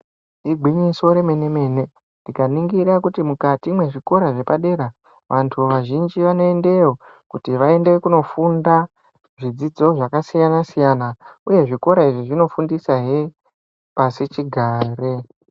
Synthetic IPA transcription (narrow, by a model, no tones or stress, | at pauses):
iɡʱwiɲiso̞ɾe̞me̞ne̞me̞ne̞ | ndikaniŋɡiɾakutimukatimwe̞ʐiko̞ɾaʐe̞paɗe̞ɾa | ʋantʰuʋaʒind͡ʒiʋano̞e̞nde̞wo | kutiʋae̞ndekuno̞funda | ʐid͡zid͡zo̞ʐakasijanasijanauje̞ʐiko̞ɾaiʐiʐino̞fundisaɦe | pasit͡ʃiɡʱaːre